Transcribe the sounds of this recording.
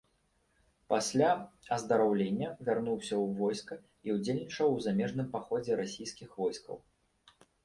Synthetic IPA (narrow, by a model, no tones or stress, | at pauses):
pasʲlʲaɐzd̪ɐɾawlʲenʲːɐvʲarnuwsʲɐwvɔjskɐ | iwd͡zʲelʲnʲit͡ʂɐwzamʲɛʐn̪ɨmpaxɔd͡zʲɛɾasʲijskʲixvɔjskɐ̰w